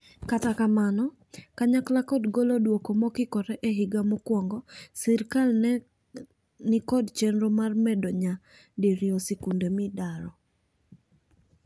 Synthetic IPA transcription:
katakamanɔ | kaɲaklakɔdɡolodwokomɔkɪkɔɾɛʔeɦiɡamokwɔŋɡɔsɛɾkal | nɪkɔdt͡ʃɛnɾomarmɛdɔɲa | diɾjɔsɛkundemɪdaɾɔ

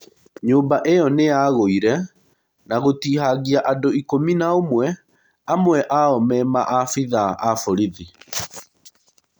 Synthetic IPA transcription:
ɲoːmbaʔejɔneaɣoiɾɛ | naɣotiːhaɣiaʔadoikominaomwɛ | amwɛʔaɔmɛmaʔafiðaʔafoɾiði

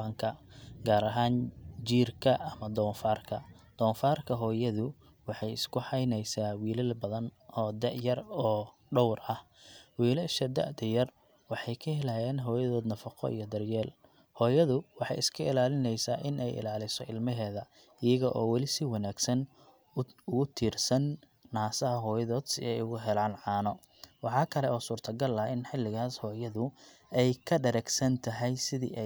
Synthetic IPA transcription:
ɐŋkʰɐɡaːɾɐɦaːnd͡ʒiːrkʰɐɐmɐd̪ɔːnfaːrkʰɐ | d̪̥ɔːnfaːrkʰɐɦɔːjɐðʊ | wɑħɑjɪskʰʊħɑjnɛjsaːwiːlɐlbɐðɐnʔɔːd̪ɛʔjɐrɔː | ɖɔwrʔɐhwiːlɛʃɐd̪ɐ̰ʔd̪ɐjɐr | wɑħɑjkʰɐhɛlaːjɛːnɦɔːjɐðɔːd̪nɐfɐqʰɔ̰ḭjɔd̪ɐrjɛːl | hɔːjɐðʊwɑħɑ̰jɪskʰɐɪlaːlɪnɛjsaːʔɪnʔɛ̰jɪ̰laːlɪsɔʔɪlmɐɦɛːðɐ | ɪjɐɣɐʔɔːwɑlɪsɪwɑnaːɡsɐn | ʊɣʊt̪ʰiːrsɐnː | aːsɐɦɐɦɔːjɐðɔːd̪sɪɛjʊɣʊɦɛlaːnʕɑːnɔ | wɑħɑːkʰɐlɛɔːsuːrt̪ʰɐɡɐlɐɪnħɪlːɪɣaːshɔːjɐðʊɛjkʰɐɖɐɾɛɡsɐnt̪ʰɐɦɛjsɪðḭːʔɛ

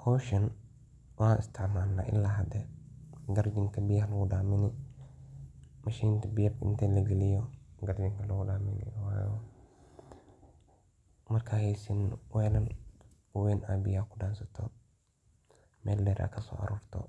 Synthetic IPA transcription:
kʰɔːʃɐn | wʔaaʔɪ̰st̪ʰɛʕmaːnːa̰ːʔɪ̰lːaːɦɐd̪ɛɡɐɾd͡ʒɪŋkʰɐbɪjhɐlɐɡʊɖaːmɪnɪ | mɐʃiːnt̪ʰɐbɪjɐbɪ̰nt̪ʰɛlɐɡɛlɪjɔɡɐɾd͡ʒɪŋkʰɐlɐɡʊdaːmɪnɪ̰waːjɔ | mɐrkʰaːhɛjsɪnwɛlɐn | ʊwɛːnʔabɪjaːkʊɖaːnsɐt̪ʰɔ | mɛːldɛːɾʔa̰kʰɐsɔ̰ːʔɐ̰ɾuːrt̪ʰɔ̰

